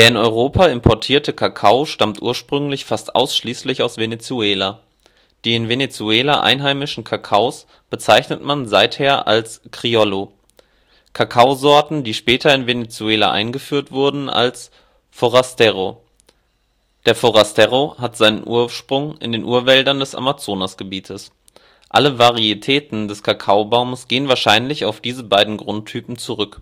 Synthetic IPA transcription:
d̥eːɐɪnɔʏʁ̞oːpʰaɪmpʰɔɐtʰiːɐtəkʰakʰaʊʃtamtʔuːɐʃpʁ̥ʏŋlɪçfastʔa̰ʊsʃliːslɪçaʊsv̥enet͡suɛːla | d̥iːɪnvenet͡suɛːlaʔa̰ɪnɦaɪmɪʃn̩kʰakʰaʊs | b̥ət͡saɪçnətmanzaɪtheːɐʔa̰lskʁ̥iɔlo | kʰakʰaʊzɔɐtn̩diːʃpɛːtʰɐɪnvenet͡suɛːla̰ʔa̰ɪnɡəfyːɐtv̥ʊɐdn̩a̰ls | foʁastɛʁo | d̥eːɐfoʁastɛʁoɦatz̥aɪnə̰nʔṵːɐʃpʁ̥ʊŋɪ̰ndeːnʔuːɐvɛldɐndɛsʔa̰mat͡soːnasɡ̥əbiːtʰəs | ʔaləvaʁ̞iitʰɛːtn̩dɛskʰakʰaʊbaʊmsɡ̥eːənvaːɐʃaɪnlɪçaʊfd̥iːzəbaɪdn̩ɡʁʊntʰːyːpm̩t͡suʁʏk

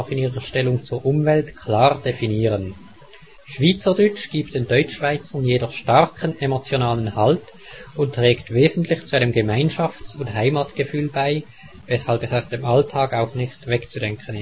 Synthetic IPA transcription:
xɪniːʁəʃtɛlʊŋt͡suːɐʔʊmvɛltkʰl̥aːʁd̥efiniːʁən | ʃv̥iːt͡sədʏt͡ʃɡ̥iːp̚td̥eːndɔʏt͡ʃʃv̥aɪt͡səɐnjeːdɔχʃtaʁkʰənemot͡sjonaːlənhalt | ʊntːʁ̥ɛːktveːzn̩tlɪçt͡suʔaɪnəmɡəmaɪnʃaft͡sʊnthaɪmatɡ̥əfyːlbaɪ | v̥ɛshalpɛsaʊsd̥emaltʰaːkaʊxnɪxtvɛkt͡sudɛŋkʰənɪ

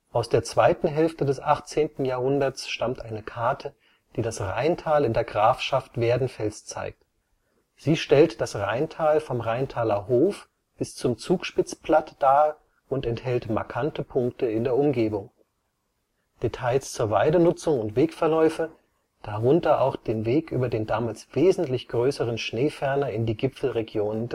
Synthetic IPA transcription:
ʔaʊsd̥eːɐt͡sv̥aɪtn̩ɦɛlftədɛsʔaχt͡seːntn̩jaːhʊndɐt͡sʃtamtʔaɪnəkʰaɐtʰə | d̥iːdasʁa̰ɪntʰaːlɪndeːɐɡʁaːfʃaftv̥eːɐdn̩fɛlst͡sa̰ɪk̚t | z̥iːʃtɛltd̥asʁaɪntʰaːlfɔmʁaɪntʰaːlɐɦoːf | b̥ɪst͡sʊmt͡suːkʃpɪt͡spl̥atd̥aː | ʔʊntɛnthɛltma̰ɐkʰantəpʰʊŋk̚təɪndeːɐʊmɡeːbʊŋ | d̥etʰaɪst͡suːɐvaɪdənʊt͡sʊŋʊntv̥eːkfɛɐlɔʏfə | d̥aʁʊntɐʔaʊxd̥eːnveːkʔyːbɐdeːndaːmaːlsv̥eːzn̩tlɪçɡ̥ʁøːsəʁənʃneːfɛɐnɐɪndiːɡɪpp͡ffl̩ʁeɡjoːnən

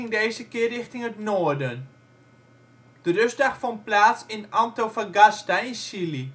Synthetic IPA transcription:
ɪŋdeːzəkɪərɪxtɪŋətnoːərdən | d̥ərøzdaxfɔnplaːsɪnamtowfaɡastaɪnsili

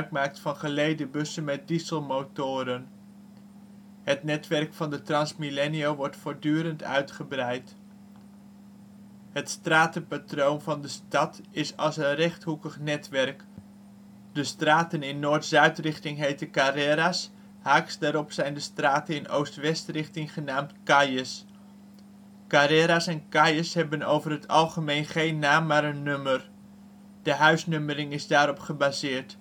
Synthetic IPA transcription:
kmaːk̚tfɑnχəlejdəbɵsənmɛt̚dizəlˠmowtʊːɾən | ɦətnɛtʋɛrkfɑndətrɑnsmilɛniowʋɔɹtfʊːɹdyːɾəntœ̰ɥtχəbrɛjt | ɦətstraːtəpatrownvɑndəstɑtɪsɑ̰lˠsənrɛχtɦukəχnɛtʋɛrk | dəstraːtənɪnːoːɹtzœɥtrɪχtɪŋɦejtəkaɾɛɾas | haːksdaːɾɔpsɛjndəstraːtəɪno̰wstʋɛstrɪχtɪŋχənaːmtkɑjəs | kaɾɛɾasɛnkajəsɦɛbəno̰wvərɦətʰɑlˠχəmejnχejnːaːmːaːɾənːømər | d̥əɦœɥsnøməɾɪŋɪzdaːɾɔpχəbaːzɪːɹt

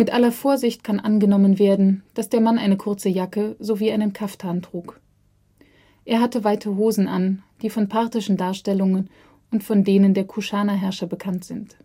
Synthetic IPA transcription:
mɪtʔalɐfoːɐzɪçtkʰanʔanɡənɔmənveːɐdn̩d̥asd̥eːɐmanʔaɪnəkʰʊɐt͡səjakəzoviːʔaɪnənkʰafthaːntʁ̥uːk | ʔeːɐɦatəvaɪtʰəɦoːzn̩ʔa̰nd̥iːfɔnpʰaɐtɪʃn̩daːɐʃtɛlʊŋən | ʊntfɔndeːnəndeːɐkʰuʃaːnaɦɛɐʃɐbəkʰantz̥ɪnt

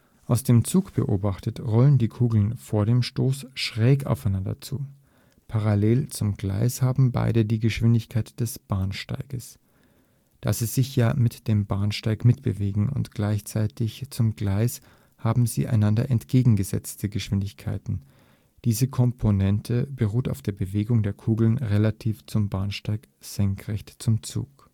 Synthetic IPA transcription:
ʔaʊsd̥eːmt͡suːkb̥ə̰ʔo̰ːbaχtətʁɔləndiːkʰuːɡl̩nfoːɐɾeːmʃtoːsʃʁ̥ɛːka̰ʊfaɪnandɐ̰t͡sṵː | pʰaʁaleːlt͡sʊmɡla̰ɪshaːbm̩ba̰ɪdədiːɡəʃv̥ɪndɪçkʰaɪtd̥ɛsb̥aːnʃta̰ɪɡ̥əs | d̥a̰sz̥iːz̥ɪçjaːmɪtd̥eːmbaːnʃtaɪkmɪtb̥ə̰veːɡŋ̩ʊ̰ntɡ̥laɪçt͡saɪtɪçt͡sʊmɡlaɪs | haːbm̩zḭːʔa̰ɪnandɐʔɛntɡ̥eːɡŋ̩ɡəzɛ̰t͡stʰəɡəʃv̥ɪndɪçkʰa̰ɪtn̩ | d̥iːzəkʰɔmpʰonɛntʰəbəʁuːtaʊfd̥eːɐbəveːɡʊŋdeːɐkʰuːɡl̩nʁelatʰiːft͡sʊmbaːnʃtaɪk | z̥ɛŋkʁ̥ɛçtt͡sʊmt͡sṵːk

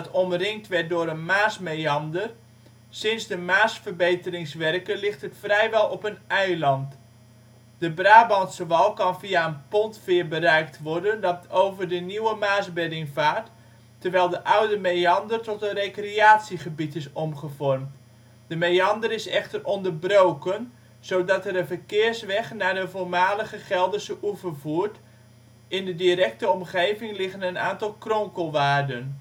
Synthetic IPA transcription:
tɔmrɪŋ̚tʋɛɹt̚dʊːɾənmaːsmejɑndər | sɪnzdəmaːsfərbejtərɪŋsʋɛrkənlɪχtətfrɛjʋɛlˠɔpənɛjlɑnt | dəbraːbɑntsəʋɑlˠkɑnviaənpɔntfɪːɹbərɛjk̚tʋɔrdəndɑtowvərdəniwəmaːsbɛdɪŋvaːt | tːərʋɛjlˠdəʔawdəmeɑndərtɔtənrejkriaːtsiχəbitɪsɔmχəvɔrmt | dəmejɑndərɪsɛ̰χtərʔɔndərbrowkən | z̥owdɑtɛɾənvərkɪəɹsʋɛχnaːdəvoːmaːləɣəχɛlˠdəsəʔuvəvuːt | ɪndədiɾɛk̚təɔmχejvɪŋlɪχənənaːntɑlˠkrɔŋkəlˠʋaːrdən

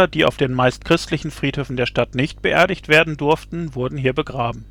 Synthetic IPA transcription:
ɐd̥iːa̰ʊfd̥eːnmaɪst̚kʁ̥ɪstlɪçn̩fʁ̥iːthøːfn̩deːɐʃtatnɪçt̚b̥əʔeːɐɾɪçtv̥eːɐdn̩dʊɐftn̩vʊɐdn̩ɦiːɐbəɡʁaːbm̩

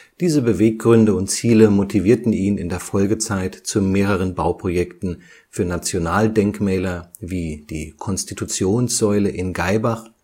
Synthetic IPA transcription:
d̥iːzəbəveːk̚ɡ̥ʁʏndəʊntt͡siːləmotʰiviːɐtn̩iːnɪndeːɐfɔlɡət͡saɪtt͡sumeːʁ̞əʁ̞ənbaʊpʁ̥ojɛktn̩ | fyːɐnat͡sjonaːldɛŋkmɛːlɐviːd̥ḭːkʰɔnstitʰut͡sjoːnsz̥ɔʏləʔɪnɡaɪbaχ

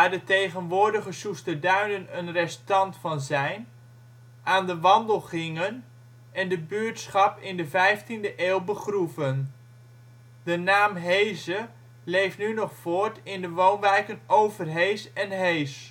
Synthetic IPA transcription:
daːɹdətejχənʋʊːɹdəχəsustədœɥnənənrɛstɑntfɑnzɛjn | ʔaːndəʋɑndəlˠχɪŋən | ɛndəbyːɹtsχɑpɪndəvɛjftindəʔeːlˠbəχruvən | d̥ənaːmɦejzə | lejftnynɔχfoːɹtɪndəʋownʋɛjkənowvərɦejsɛnɦejs

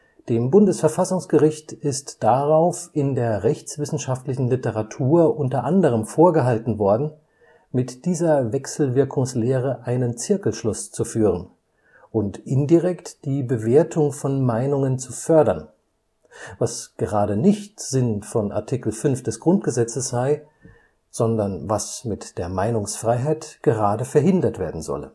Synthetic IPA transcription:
d̥eːmbʊndəsfɛɐfasʊŋsɡ̥əʁɪçtɪstd̥aʁaʊfɪndeːɐʁɛçt͡sv̥ɪsn̩ʃaftlɪçn̩lɪtəʁatʰuːɐʔʊntɐʔandəʁ̞əmfoːɐɡəɦaltn̩vɔɐdn̩ | mɪtd̥iːzɐvɛksl̩vɪɐkʰʊŋsleːʁ̞əʔaɪnənt͡sɪɐkl̩ʃlʊst͡sufyːʁən | ʔʊntʔɪndiʁɛktd̥iːbəveːɐtʰʊŋfɔnmaɪnʊŋənt͡sufœɐdɐn | vasɡ̥əʁaːdənɪçtz̥ɪnfɔnʔa̰ɐtʰikl̩fʏnfd̥ɛsɡ̥ʁʊnt̚ɡ̥əzɛt͡səsz̥aɪ | z̥ɔndɐnvasmɪtd̥eːɐmaɪnʊŋsfʁ̥aɪɦaɪtɡ̥əʁaːdəfɛɐɦɪndɐtv̥eːɐdn̩zɔ̰lə̰

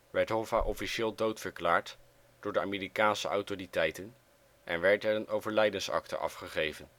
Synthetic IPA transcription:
ʋɛɹtɦɔvaʔɔfiʃɪːlˠdowtfəɹklaːɹt | d̥ʊːɹdəa̰ːmeːɾikaːnsə̰ʔɑ̰wtoritɛjtən | ʔɛnʋɛɹtɛrənowvəɹlɛjdənsɑ̰ktə̰ʔɑ̰fχəχejvən

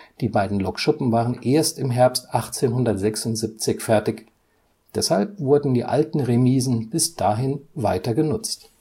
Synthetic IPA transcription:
d̥iːbaɪdn̩lɔkʃʊpm̩vaːʁənʔeːɐstɪmɦɛɐpstʔaχt͡seːnhʊndɐtz̥ɛksʊntz̥ip̚t͡sɪçfɛɐtɪç | d̥ɛshalpv̥ʊɐdn̩diːʔa̰ltn̩ʁemiːzn̩bɪsd̥aːɦɪnvaɪtɐɡənʊt͡st

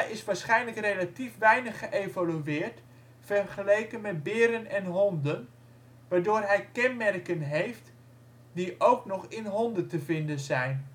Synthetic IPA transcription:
ɛjɪsʋaːɹsχɛjnləkrejlatifʋɛjnəχəʔejvalyɪːɹt | fɛrχəlejkənmɛt̚bɪːɾənɛnɦɔndən | ʋaːɹdoːrɦɛjkɛnmɛrkənɦejft | diʔowknɔχɪnɦɔndəntəvɪndənzɛjn

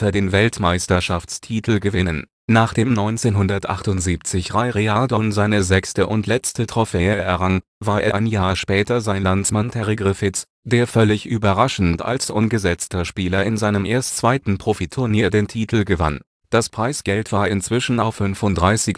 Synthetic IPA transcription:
taɐdeːnvɛltmaɪstɐʃaft͡stʰiːtʰl̩ɡəvɪnən | naːχd̥eːmnɔʏnt͡seːnɦʊndɐtʔa̰χtʊntz̥iːp̚t͡sɪçʁaɪʁealdɔnzaɪnəzɛkstəʔʊntʰlɛt͡stətʁ̥ɔfɛːəɛɐʁaŋ | vaːɐʔḛɐʔaɪnjaːɐʃpɛːtɐzaɪnlansmantʰɛʁeɡʁɪfɪt͡s | d̥eːɐfœlɪçʔyːbɐʁaʃn̩ta̰lsʔʊnɡəzɛt͡stɐʃpiːlɐɪnzaɪnəmʔeːɐstt͡sv̥aɪtn̩pʁ̥ofitʰʊɐniːɐdeːntʰiːtʰl̩ɡəva̰n | d̥aspʁ̥aɪsɡ̥ɛltv̥aːɐɪnt͡sv̥ɪʃn̩aʊfʏnfʊntd̥ʁaɪsɪç

